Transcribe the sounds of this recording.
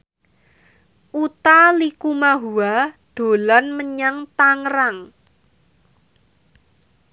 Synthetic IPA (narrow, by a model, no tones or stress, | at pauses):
ʔut̪alikumaɦuad̪̥o̤lanməɲaŋt̪aŋɾaŋ